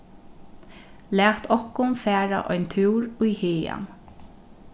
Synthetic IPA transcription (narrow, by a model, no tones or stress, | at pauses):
læːt̪ʰɔhkʊnfæːɾa̰ʔɔʏnt̪ʰʉwɹujheːja̰n